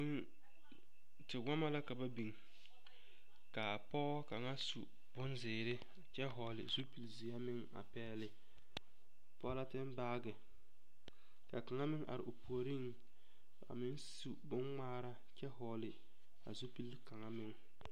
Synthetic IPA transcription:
ʊ˦ | tɪ˨ɡa˦ma˦la˦ka˨ba˦bi˨ŋ | ka˨pɔ˦ka˨ŋa˦sṵ˨ | b̥ʊ˦nzɪː˨ɾɪ˦ | a˨t͡ʃɛ˦ɦɔ˨lɪ̰˨zu˦pi˨lzi˨a˦mɪ˦ŋa̰˨pɛː˦lɪ˨ | pɔ˦la˦tɪ˦nbaː˦ɡɪ˨ | ka˨ka˨ŋa˦mɪ˦ŋʔa̰˨ɾɪ̰˨o˨pu˨o˨ɾi˦ŋ | a̰˨mɪ˦nsu˨bʊ˦nŋ͡maː˦ɾa˦ | t͡ʃɛ˦ɦɔ˨˦lɪ˨ | a̰˨zu˦pi˦lka˨ŋa˦mɪ˦ŋ

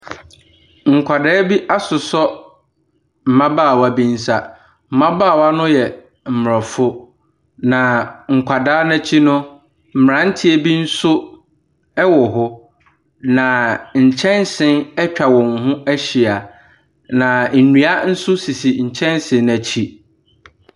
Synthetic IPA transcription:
ŋ̩˨kʷʰa˨dɛ˦bi˦ʔa˦sʊ˨sɔ˦ | m̩˨mã˦baː˦˨wa˦˨bĩ˦n̩˦sa˦ | m̩˨mã˦baː˦˨wa˦nʊ̃˦jɛ˨ | m̩˨m˨ɔ˨fʊ˦ | nã˨ŋ̩˨kʷʰa˨daː˦nã˦t͡ɕʰi˦nʊ̃˦ | m̩˨m˨ɾã˨˦n̩˦tʰɪ˦e˦bi˦n̩˦sʊ˦ | ɛ˦wɔ˨ɦʊ˦ | nã˨ɲ̩˨t͡ɕʰɛ̃˦nsɪ̃˦nɛ˦t͡ɕᶣa˨wɔ̃˨ŋ˨ɦʊ̃˦æ˦ɕi˨a˨ | nã˨n̩˨nɥ̃a˦n̩˦sʊ˦si˨si˨ɲ̩˨t͡ɕʰɛ̃˦nsɪ̃˨˦næ˨t͡ɕʰi˦

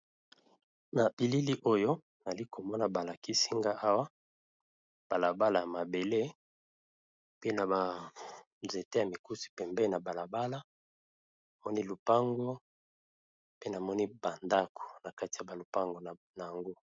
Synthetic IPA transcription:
na˨ʔi˨li˦li˦ʔo˦jo˦ | na˨li˦ko˨mɔ˦na˨ba˨la˨ki˦si˦ŋɡa˦ʔa˦wa˦ | b̥a˨la˨ba˦la˨ja˨ma˨be˨le˦ | pe˦na˨ba˨ | ze˨te˦ja˨mi˨ku˦si̥˨pɛ˨mbɛ˦na˨ba˨la˨ba˦la˦ | na˨mɔ˦ni˦lu˨pa˦ŋɡo˦ | pe˦na˨mɔ˦ni˦ba˨nda˦kʰo̥˨na˨ka˦ti˨ja˨ba˨lo˨pa˦ŋɡo˨na˨ja˨ŋɡo˦

